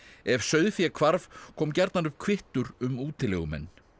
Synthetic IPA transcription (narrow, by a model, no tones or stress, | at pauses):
ɛvsœɥðfjɛkʰvaɾv̥kʰɔːmcɛɾt̪nanʏ̥kʰvɪht̪ʏɾʏmuːt̪ɪlɛɣʏmɛ̰nː